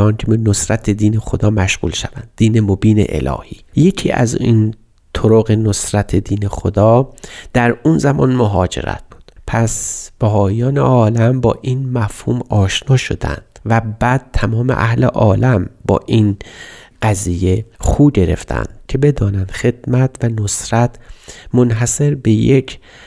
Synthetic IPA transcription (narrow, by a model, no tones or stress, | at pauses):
ɒːnkʰeenosɾæt̪ʰed̪iːnexod̪ɒːmæʃɣṵːlʃævænd̪̚ːiːnemobiːnḛʔḛlɒ̰ːhiːje̞cʰḭːʔæ̰zin | t̪ʰoɾoɣenosɾæt̪ʰed̪iːne̞xod̪ɒːd̪̥æɾunzæmʔɒnmoɦɒːd͡ʒe̞̰ɾæ̰t̪̚b̥uːd̪̥pʰæsb̥æɦɒːjɒːnḛʔɒːlæmbɒ̰ːʔinmæfhuːmɒːʃnɒːʃo̰d̪æ̰nd̪̥væbæːd̪̥̚t̪ʰæmɒːmḛʔæhlḛʔɒːlæmbɒ̰ːʔin | ɢ̥æziːje̞χxuːɟe̞ɾe̞̰ft̪ʰæ̰nd̪̥cʰe̞be̞d̪ɒːnænd̪̥xe̞d̪mæt̪ʰvænosɾæt̪ʰmonɦæse̞ɾbe̞jekʰ